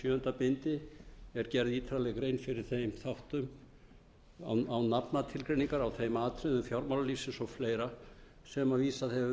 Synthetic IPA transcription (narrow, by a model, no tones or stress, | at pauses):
sjœːʏnt̪apɪnt̪ɪɛɾcɛɾðiːt̪ʰɾalɛɣkɾeːjnfɪɾɪɾ̥θejmθawht̪ʏm | a̰wawnapnat̪ʰɪlkɾejniŋkaɾawθejmaːt̪ɾɛðʏmfjawɾmawlaliːsɪsɔɣfleːjɾa | sɛmaviːsaðhɛ